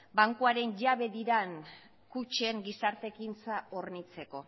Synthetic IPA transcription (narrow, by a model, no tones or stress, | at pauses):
baŋkuaɾe̞nʝaβe̞ðiɾan | kut͡ʃeŋɡisaɾt̪e̞kint͡saoɾnit͡se̞ko̞